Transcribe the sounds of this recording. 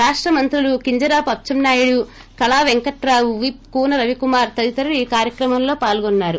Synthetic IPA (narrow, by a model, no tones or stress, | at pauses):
ɾaːʂʈɾɐmɐnt̪ɾulukiɲd͡ʒɐɾaːpɐp̚t͡ʃɐmnaːjuɽu | kɐlaːʋeŋkɐʈɾaːuʋip̚kuːnɐɾɐʋikumaːɾt̪ɐd̪it̪ɐɾɐɽiːkaːɾjɐkɾɐmɐmlo̞ːpaːlɡɔnːaːɾu